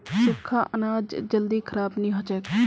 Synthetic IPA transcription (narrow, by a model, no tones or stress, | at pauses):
sɪkʰːaːʔənaːd͡ʒd͡ʒəld̪iːkʰəɾaːbnĩːɦɐt͡ʃɛːk